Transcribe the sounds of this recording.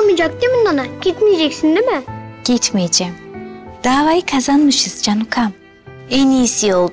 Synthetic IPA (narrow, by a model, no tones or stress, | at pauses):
mid͡ʒɑk̚t̪emɪnːanaɡ̥ʲet̪med͡ʒekʲsɪnd̪ɪmɪɡ̥ʲet̪med͡ʒemd̪̥aːvajikʰazanmɯʃɨzd͡ʒanukʰam | enisijolˠ